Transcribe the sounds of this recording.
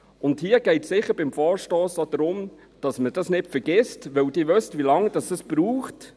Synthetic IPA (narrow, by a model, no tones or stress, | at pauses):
ʊndhiəɡ̥ɛɪtsɪχəɾbɪmfɔːɾʃtɔːsod̥ɾʊm | d̥ɑsməd̥ɑsnɪtfəɾɡ̥ɪstʋœwdɪːʋœstʋilɑŋd̥ɑsɑsb̥ɾuːχt